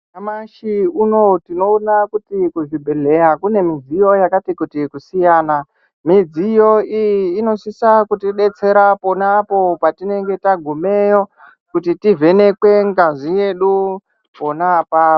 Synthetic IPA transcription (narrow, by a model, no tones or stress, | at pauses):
amaʃiuno̞tino̞ːnakutikuʐibʱeɮe̞jakune̞mid͡zijo̞jakatikutikusijaːna | mid͡zijo̞ijːno̞sisakutiɗe̞t͡se̞ɾapo̞napo̞patine̞ŋɡe̞taɡʱume̞jo̞ | kutitivʱe̞ne̞kwe̞ŋɡaʐije̞ɗu | po̞napa